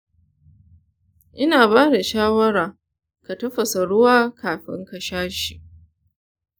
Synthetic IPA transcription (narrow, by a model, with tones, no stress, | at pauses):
ʔɪ˦naː˨baː˦da˨ʃaː˦wɐ˦ɾaː˨ | ka˨tɐ˦ɸɐ˨sa˨ɽʊ˦waː˦kʰaː˨ɸɪ̰˦ŋkɐ˨ʃaː˦ʃi̥˨ʔ